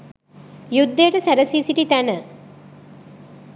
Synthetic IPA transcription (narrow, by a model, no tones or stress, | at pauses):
jud̪ːejʈəsæɾəsiːsiʈit̪ænə